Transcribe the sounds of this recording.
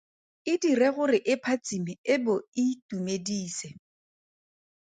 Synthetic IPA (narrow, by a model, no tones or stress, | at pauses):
ɪdirɛɣʊrɪʔɪpʰat͡sʼimɪɪbʊitumediːsɛ